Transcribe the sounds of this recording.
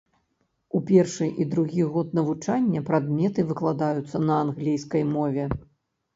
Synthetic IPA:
upʲɛrʂɨʔid̪ɾuɣʲiɣɔt̪nɐvut͡ʂanʲːɐpɾad̪mʲɛt̪ɨvɨklˠad̪ajut̪sːɐnɐanɣlʲijskɐjmɔvʲɛ

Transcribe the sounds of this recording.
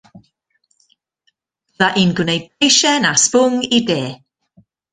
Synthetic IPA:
ðaʔiːnɡwnejd̚bejʃɛnaspʊŋideː

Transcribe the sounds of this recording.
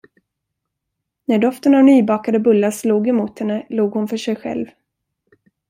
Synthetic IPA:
næɖɔft̪ənavnyːbɑːkad̪əbɵlːasluːɡɛmuːt̪hɛnːəluːɡhʊnfœʂɛjɧɛ̰lv

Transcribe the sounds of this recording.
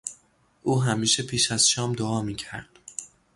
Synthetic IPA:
ʔuːɦæmiːʃe̞pʰiːʃæz̥ʃɒːmd̪oɒːmiːcʰæ̰ɾd̪̥

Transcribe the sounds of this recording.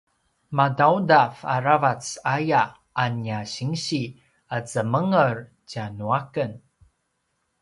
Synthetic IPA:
madawdafa̰ɾavat͡sajaː | njaɕiŋɕi | at͡səməŋər | canuakən

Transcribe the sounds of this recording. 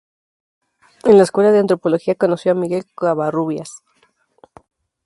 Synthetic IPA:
e̞nlaeskwe̞laðeant̪ɾo̞po̞lo̞xiako̞no̞sjo̞amiɣe̞lkaβaruβjas

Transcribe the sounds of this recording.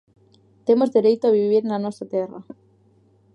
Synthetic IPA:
t̪emozðeɾejt̪oaβiβiɾenanwest̪ɾat̪era̰

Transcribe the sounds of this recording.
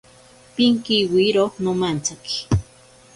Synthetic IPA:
piŋkiwiɾonomant͡saki̥

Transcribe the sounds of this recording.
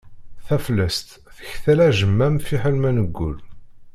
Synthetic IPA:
θæflːæst̪ | θə̥çθælæʒəmːæmfiħəlmænəɡːʊ̰l

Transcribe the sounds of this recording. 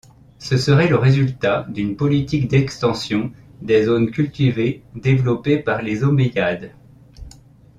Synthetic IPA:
səsəʁɛləʁezylt̪ad̪ynpɔlit̪ikd̪ɛkst̪ɑ̃sjɔ̃d̪ezonkʲylt̪ived̪evlɔpepaʁlezomejad̪

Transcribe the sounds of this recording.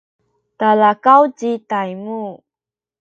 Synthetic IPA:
talakawt͡ɕitajmu

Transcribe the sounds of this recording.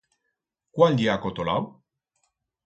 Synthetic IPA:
kwald̪iakot̪ola̰w

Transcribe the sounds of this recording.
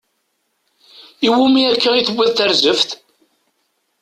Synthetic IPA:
iwumiækːæiθəbʷːæðθəɾzəfθ

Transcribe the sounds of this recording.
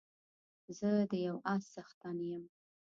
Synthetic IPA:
zəd̪əjawasːaxt̪ɑnijəm

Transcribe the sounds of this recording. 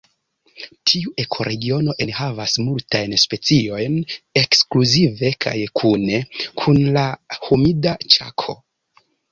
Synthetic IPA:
tʰiuʔe̞kʰo̞ɾe̞ɡio̞no̞ʔe̞nhavasmultajnspe̞t͡sio̞jne̞kskluzive̞kʰa̰jkʰune̞kʰunlahumidat͡ʃa̰kʰo̞̰

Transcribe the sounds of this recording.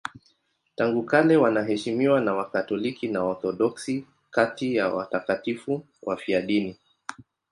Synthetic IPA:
taŋɡukalɛwanaɦɛʃimiwanawakatɔlikinaɔɾθɔɗɔksi | katijawa̰takatifu | wʔafiaɗini

